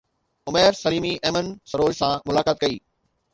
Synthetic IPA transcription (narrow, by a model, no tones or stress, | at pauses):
ʊmeːɾsɐliːmiʔeːmənsɐɾoːd͡ʑsãmʊlaːkaːt̪̚kɐiː